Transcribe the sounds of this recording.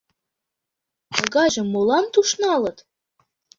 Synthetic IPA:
ɤɣɑʑɤ̆mːolɑnt̪uʃnɑlɤ̆t̪

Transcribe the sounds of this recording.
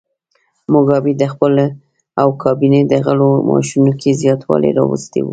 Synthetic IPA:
mʊɡɑbid̪əxpəl | awkʰɑbined̪əɣəlomʔɑ̰ʃunokʰezjɑt̪wɑ̰lḛɾɑwṵst̪ḛwu

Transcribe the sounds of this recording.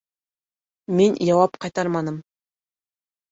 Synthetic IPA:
minjɑwɑpqɑjt̪ɑɾmɑnɤm

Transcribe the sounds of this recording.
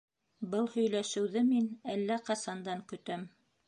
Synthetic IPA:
bɤlˠhɵ̆jlæʃɘ̆wðɘminælːæqɑsɑnd̪ɑŋkɵ̆t̪æm

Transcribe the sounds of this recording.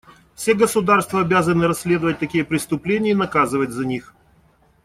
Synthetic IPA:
fsʲeɡəsʊd̪arst̪vəɐbʲazənɨɾɐsʲlʲe̞d̪əvət̚ʲt̪ɐkʲijəpɾʲɪst̪ʊplʲenʲɪjənɐkazɨvətʲzɐnʲix

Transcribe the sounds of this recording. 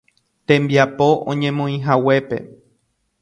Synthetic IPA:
t̪ẽ̞mbiapo̞ʔõ̰ɲẽ̞mõĩɦawe̞pe̞̰

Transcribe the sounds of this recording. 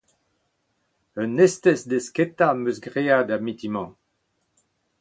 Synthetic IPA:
œnɛst̪ɛsd̪esket̪amøsɡʁead̪amit̪imɑ̃

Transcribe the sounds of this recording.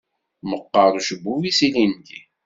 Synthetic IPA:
məqːəɾˤʃəbːuwisilindi

